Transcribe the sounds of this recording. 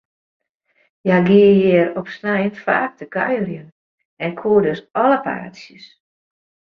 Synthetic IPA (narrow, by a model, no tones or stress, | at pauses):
jaɡiəjɪəɾɔpsnajntfa̰ːk̚təkœ̰jrjən | ɛnkʰuədøsɔləpʰa̰ːtsjəs